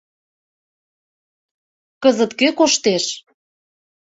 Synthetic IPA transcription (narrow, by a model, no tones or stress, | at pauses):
kɤzə̆t̪køkoʃt̪eʃ